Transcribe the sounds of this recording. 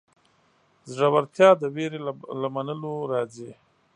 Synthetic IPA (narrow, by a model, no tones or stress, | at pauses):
zʐawaɾt̪jɑd̪əweɾelamanəloɾɑzi